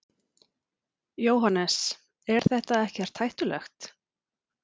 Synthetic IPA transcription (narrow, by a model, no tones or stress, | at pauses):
joːwɦanɛs | ɛɾ̥θɛht̪aɛhcɛɾ̥t̪ʰajht̪ʏlɛ̰xt̪